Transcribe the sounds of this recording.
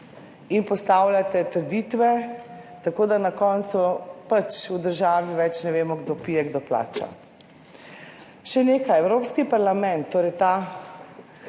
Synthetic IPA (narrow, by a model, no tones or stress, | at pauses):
inpɔst̪aːwljat̪ɛt̪əɾd̪it̪ʋɛ | t̪akoːd̪anakɔnt̪supat͡ʃud̪əɾʒaːʋiʋɛt͡ʃnɛʋeːmɔɡd̪opiːjɛɡd̪opla̰ːt͡ʃa̰ | ʃɛneːkajɛwɾoːpskipaɾlamɛ̃nt̪ːoːɾɛjt̪a